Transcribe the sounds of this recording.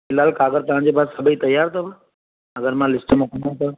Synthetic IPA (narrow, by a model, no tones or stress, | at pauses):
ɪlaːlkaːɡəɾt̪ɐʋ̤ãːɲd͡ʑep̬aːssɐbʱiːt̪ɐjaːɾt̪ʰɐba | ɐɡəɾmãlɪsʈmẽkʰə̃nd̪at̪ɐ